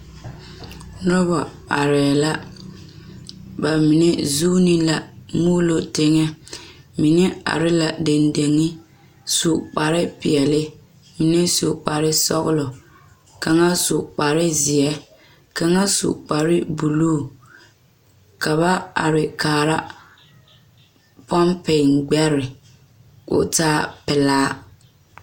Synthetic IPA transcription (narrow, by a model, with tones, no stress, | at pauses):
nɔ˦βɔ˨ | a˨ɾɛ˨la˦ | ba˨mi˨nɛ˦zuː˦nɪ˦la˨muː˦lo˨tɪ˦ŋɛ˦mi˨nɛ˦a̰˨ɾɪ˦la˨de˨nde˨ŋɪ˦ | su˨k͡pa˨ɾɪ˦pɪ˨ɛ˨lɪ˦ | mi˨nɛ˦su˨k͡pa˨ɾɪ˦sɔ˦ɣʊ˦lɔ˨ | ka˨ŋa˦su˨k͡pa˨ɾɪ˦zɪ˨ɛ˦ | ka˨ŋa˦sṵ˨k͡pa˨ɾɪ˦bu˨luː˦˨ | ka˨βa˦a̰˨ɾɪ˨kaː˨ɾa˦ | pɔ˦mpe˨ŋɡ͡bɛ˦ɾɪ˨ | ʊ̰˦taː˦pɪ˨laː˦